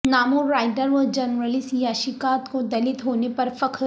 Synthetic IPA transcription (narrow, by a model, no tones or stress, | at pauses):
naːmoɾaːɪɖəɾʋɔd͡ʒɐnɾəlɪsjaʃikaːt̪kod̪ɐlɪt̪ɦoːnepɐɾfɐkʰ